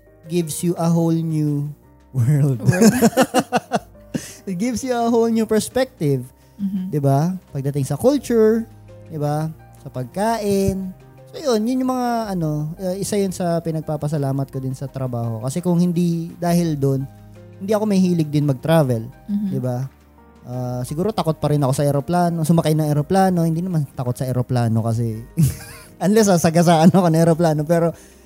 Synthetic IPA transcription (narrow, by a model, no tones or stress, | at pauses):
ɡɪvsjuʔɐɦowlnju | wɛɹld̪ | ɪt̪̚ɡɪvsjʊɐɦowlnupɛɹspɛk̚t̪ɪv | d̪ɪbapɐɡ̚d̪ɐt̪ɪŋsɐkult͡ʃʊɹ | d̪ɪba | sɐpɐɡ̚kaːʔɪn | sojonjʊnɲʊŋmɐŋaʔɐno̞ʔɐʔɪsajʊnsɐpɪnɐɡ̚paːpɐsɐlaːmɐt̪̚kod̪ɪnsɐt̪ɾɐbaːho̞̰kɐsɛkʊŋhɪnd̪id̪aːhɪld̪on | hɪnd̪iːʔɐko̞mɐjhiːlɪɡ̚d̪ɪnmɐɡ̚t̪ɾaːvɛld̪ɪba | ʔaːsɪɡuːɾo̞t̪ɐko̞t̪̚pɐɾɪnɐko̞sɐʔɛɾoplaːno̞sʊmɐkajnɐŋʔɛɾoplaːno̞hɪnd̪iːnɐmant̪ɐko̞t̪̚sɐʔɛɾoplaːnokɐs̬ɛ | ʔɐnlɛs̬ɐsɐɡas̬ɐɐnoɐkonɐŋʔɛɾoplaːno̞pɛːɾo̞